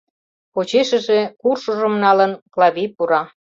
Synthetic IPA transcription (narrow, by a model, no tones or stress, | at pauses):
ot͡ɕeʃə̆ʒekurʃoʒə̆mnɑlənklɑβʲipuɾɑ